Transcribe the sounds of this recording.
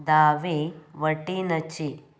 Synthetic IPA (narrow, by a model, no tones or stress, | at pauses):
d̪aːʋeʋɐʈinɐt͡ʃi